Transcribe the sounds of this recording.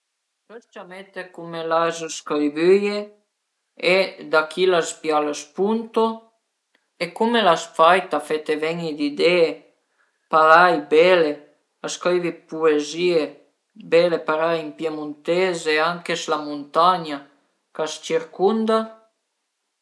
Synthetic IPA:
pest͡ʃamet̪ekumelazuskɾivyje | ed̪akʰilaspjalaspunt̪o | ekumelasfajt̪afet̪evɛɲid̪id̪ee | palajbɛle | askɾivipuezie | belepaɾaimpjemunt̪ezeaŋkeslamunt̪aɲa | kast͡ʃiɾkund̪a

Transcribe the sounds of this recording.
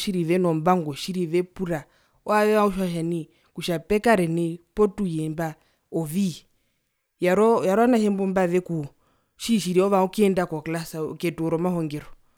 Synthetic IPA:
ʃiɾiʋɛnɔmbaŋɡɔʃiɾiʋɛpuɾa | ɔaʋɛʋauʃwaʃani | kuʃapɛkaɾɛnɛpɔtujɛmba | ɔvi | jaɾɔjaɾɔanaʃɛmbɔmbaʋɛku | ʃiʃiɾiɔʋaukiɛndakɔklasakɛtuɔɾɔmahɔŋɡɛɾɔ

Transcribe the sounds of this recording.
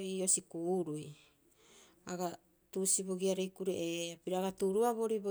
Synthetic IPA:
io̞sikuɾuj | aɡa | tusiboɡiaɾejkuɾḛʔeapiɾaːɡatuɾuaβo̞ɾibo

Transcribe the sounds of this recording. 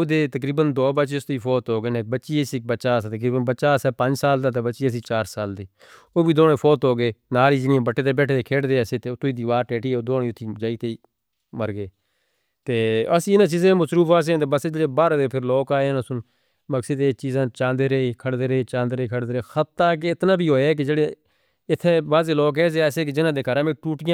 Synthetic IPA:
oːd̪eːt̪ək̬ɾiːbənd̪oːbət͡ʃst̪iːpʰoːt̪ɦoːɡeːnẽːbəːʃiːəsiːk̚bəʃaːst̪əkɾiːbənbəːʃaːsɛːpə̃ɲd͡ʒsaːld̪aːt̪̬eːbəːt͡ʃiːəs̬ĩːt͡ʃaːɾsaːld̪iː | oːbiːd̪oːnẽːpʰoːt̪ɦoːɡeːnaːɾiːd͡ʒɪnɪãːbəʈːeːt̪eːbɛːʈʰeːt̪eːkʰeːɽd̪eːseːt̪eːt̪ʊiːd̪iːʋaːɾʈeːʈiːoːd̪oːɽeːʊt̪ʰːiːd͡ʒaːiːt̪eiː | məɾɡeː | t̪eːəsĩːɪnãːt͡ʃiːzãːẽːməsɾuːfaːs̬ẽːt̪eːbəsed͡ʒeɽeːbaːɾãːd̪eːpʰɪɾloːkaːeːaːnːsʊn | məksiːt̪eːt͡ʃiːzãːt͡ʃãːnd̪eːɾəeːkʰəɽd̪eːɾəeːt͡ʃãːnd̪eːɾəiːkʰəɽd̪eːɾeːxət̪ːaːk̬eɪt̪nãːbiːɦoːeɛːk̬ɪd͡ʒeːɽeː | ɪt̪ʰːeːbaːzeːloːkɛːs̬eːaːseːk̬ed͡ʒɪnãːd̪eːkəɾãːmẽːʈuːʈɪjãː

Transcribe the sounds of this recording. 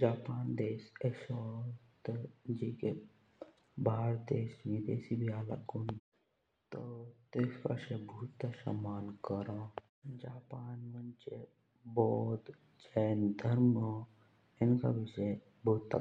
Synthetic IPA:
d͡ʒaːpaːnd̪eːsesot̪əd͡ʒiːke | bʱaːɾd̪eːsnid̪eːsibʱiaːla̰kun | t̪ət̪eska̰ʃebʱuːt̪ːasɐ̰maːlkəɾã | d͡ʒaːpaːnmɐnt͡ʃe | bɔːt̪ | d͡ʒɛːnd̪ʱəɾmə | ɪnka̰bɪʃe | bʱoːt̪ːa̰

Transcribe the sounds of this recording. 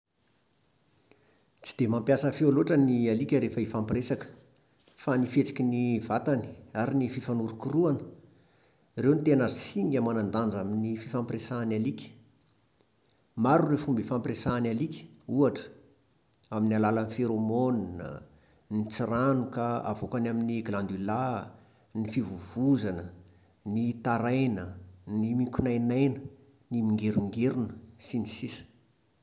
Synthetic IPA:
t͡si̥d̪̥emampjasəfealoʈ͡ʂənialikʲəɾefəifampiresakə̥ | fanifet͡si̥kʲinivat̪ani̥aɾinififanuɾukuruanə̥ | rewnit̪enazsiŋʲamanand̪and͡zaminififampresaːnalikʲə̥ | maɾurefumbifampresaːnalikʲə̥uaʈ͡ʂə̥ | aminalalanifeɾomoninə̰ | nit͡siɾanukəa̰vokanaminiɡland̪ila | nifivuv̥uzanə | nit̪aɾajnənimikʲunajnajnə | nimiŋɡeɾuŋɡeɾunəsinisisə̥

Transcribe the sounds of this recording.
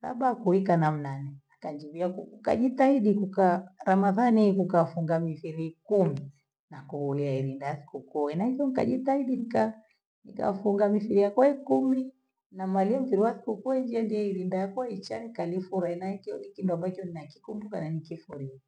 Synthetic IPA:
sa̰ɓakuikanam̩nanɛakaɲd͡ʒiβiakukuka̰ʄitaiɗikukaɾamaðanikukafuŋɡamifiɾikumi | nakuhuliaiɾindajasi̥kukuɛnahikɔnika̰ʄitaiɗinika | nika̰fuŋɡamifiɾijakwaikumi | namaliam̩ufiɾiwasi̥kukuɛɲd͡ʒiandiɛiɾindajakwait͡ʃanikalifuɾainaikiɔnikinduambat͡ʃɔninaki̥kumbukananikifuɾia

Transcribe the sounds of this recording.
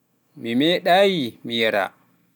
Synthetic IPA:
mimɛɗaːjimijɛɾa̰

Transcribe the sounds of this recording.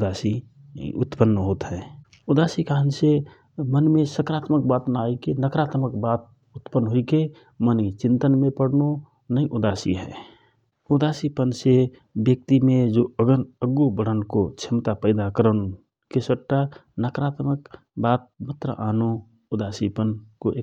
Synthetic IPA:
ʊd̪aːsi | ʊ̰t̪pənːɦoːt̪ɦɛ̃ | ud̪aːsikaɦənse | mənmẽsəkɾaːt̪mək̚bat̪naikenəkɾaːt̪məkbaːt̪̚ | ʊt̪pənːɦoike | mənit͡ʃɪ̃nt̪ənmẽpəɽno | nəĩʔud̪aːsḭɦɛː | ʊd̪aːsipənse | bjək̚t̪imẽd͡ʒoəɡənəɡːubəɽ̤ənkot͡ʃʰɪmt̪apəɪd̪akəɾən | kesəʈːa | nəkɾaːt̪mək | baːt̪̚mət̪ɾə̰ʔaːno | ʊd̪aːsipənkoʔe

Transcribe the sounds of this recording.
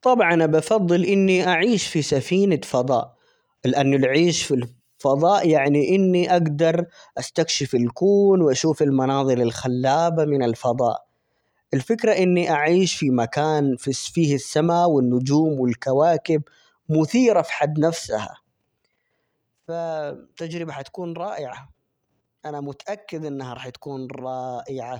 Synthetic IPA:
t̪ˤɑbʕɑnʔabɑfɑðˤːɨlʔɪnːiʔaʕiːʃfisafiːnafɑd̪ˤɑ̰ːʔ | lɪʔanːʊlʕiːʃfil | fɑðˤɑːʔjaʕniʔɪnːiʔaɡd̪ɑɾˤʔast̪akʃɪfɪlkuːnwɪʔaʃuːfɪlmɑnɑːðˤɨɾɪlxalːaːbamɪnɪlfɑðˤɑ̰ːʔ | ʔɪlfɪkɾaʔɪnːiʔaʕiːʃfimakaːnfifiːhɪsːamawɪnːʊd͡ʒuːmwɪlkawaːkɪb | mʊθiːɾafi̥ħad̪ːnafsa̰ha̰ | fat̪ad͡ʒɾɪbahat̪ḁkuːnɾˤɑːʔɪʕa | ʔanamʊt̪aʔakːɪd̪ʔɪnːhaɾˤɑːħt̪ḁkuːnɾˤɑːʔɪʕa

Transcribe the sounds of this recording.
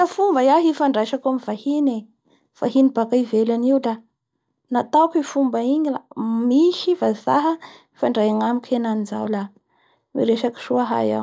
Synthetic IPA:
afumbajaɦifaɳɖ͡ʐajʃakamivahine | faɦinib̥akaivelaniula | nat̪awkifumbaiɲilamiʃifazaɦə | ifaɳɖ͡ʐajaŋamikʰenaniza̰wla | mḭɾeʃaki̥ʃuaɦa̰ja̰w

